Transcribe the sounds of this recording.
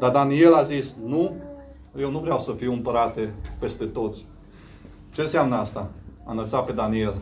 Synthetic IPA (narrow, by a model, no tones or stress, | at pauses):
d̪ad̪anie̞lazisnu | je̞wnuvɾeawsəfiwɨmpəɾat̪epe̞st̪e̞t̪o̞t̪sʲ | t͡ʃe̞nseamnəast̪aa̰nəlt̪sat̪̚pe̞d̪anie̞l